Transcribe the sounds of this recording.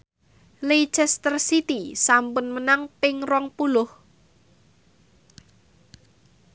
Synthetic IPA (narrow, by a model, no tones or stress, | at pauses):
lei̥t͡ʃɛst̪ərsit̪isampʊnmənaŋpɪŋrɔŋpulʊh